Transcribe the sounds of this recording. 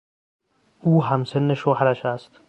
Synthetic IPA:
uːɦæmsenːeʃohæɾæʃæst̪

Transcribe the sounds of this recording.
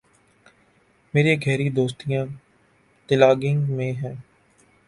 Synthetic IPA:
meːɾeɡʱɛːɾid̪oːst̪ijãː | t̪ɪlaːɡɪ̃ŋɡmẽɦɛ̃ː

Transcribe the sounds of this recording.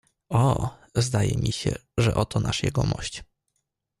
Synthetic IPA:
ɔ | zd̪ajɛmʲiɕɛʐɛʔɔt̪ɔnʔaʂjɛɡɔmɔɕt͡ɕ

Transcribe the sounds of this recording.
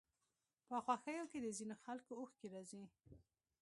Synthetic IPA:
pəxwaxəjoked̪əzinoxalkooxkeɾazi

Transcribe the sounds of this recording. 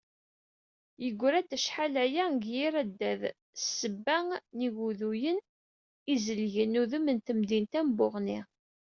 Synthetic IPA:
jəɡʷːɾæd̪əʃħalæjæɡjiɾæd̪ːæð | sːəbːæŋniɣuðujən | izəlʝənuðəmənt̪əmd̪int̪æmbʊʁni

